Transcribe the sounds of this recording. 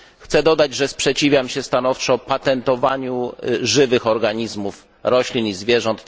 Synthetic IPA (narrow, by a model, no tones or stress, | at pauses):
xt̪sɛd̪ɔd̪ad͡ʑʐɛspʂɛt͡ɕivʲjamɕɛst̪anɔft͡ʂɔpat̪ɛnt̪ɔvaɲuʐɘvɘxɔɾɡaɲizmuf | ɾɔɕlʲinizvʲjɛʐɔnt̪